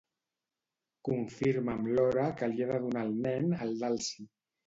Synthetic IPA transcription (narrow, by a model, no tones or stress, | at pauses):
kuɱfiɾməmlɔɾəkəljeβəðunaːlˠnɛnəlˠd̪alˠsi